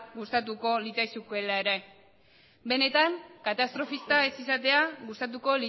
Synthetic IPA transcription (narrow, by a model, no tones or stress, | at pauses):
ɣust̪at̪uko̞lit͡sajsukue̞laeɾe̞ | be̞ne̞t̪aŋkat̪ast̪ɾo̞fist̪aesisat̪e̞aɣust̪at̪̬uko̞li